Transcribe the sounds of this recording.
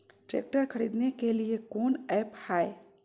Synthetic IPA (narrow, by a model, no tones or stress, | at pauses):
ʈɾḛːk̚ʈəɾkʰɐɾiːd̪nekeliekoːnɛːphaːe